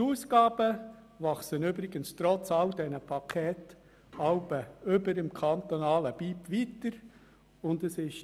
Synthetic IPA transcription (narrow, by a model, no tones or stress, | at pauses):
uːsɡɑːb̥ə | vɑχsənyːbɾɪɡənst̪ɾɔt͡sɑld̪ɛnəpʰɑkʰɛːt | ɑʊbəʏbəɾɪmkʰɑnt̪onɑːləb̥iːpʋiːtəɾ | ʊndəsɪʃ